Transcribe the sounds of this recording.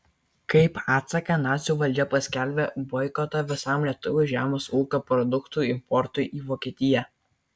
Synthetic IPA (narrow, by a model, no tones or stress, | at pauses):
kɐɪpɑːt̪sɐkɐnɑːt̪sʲuːʋɐlʲd͡ʒʲɛpɐsʲkʲælʲbʲebɔɪkoːt̪ɐʋʲɪsɐmlʲiɛt̪ʊʋʲoʒʲæːmoːsuːkʲopɾɔd̪ʊkt̪uːˑɪmpɔɾt̪ʊɪʔiːʋoːkʲiɛt̪ʲɪjɛ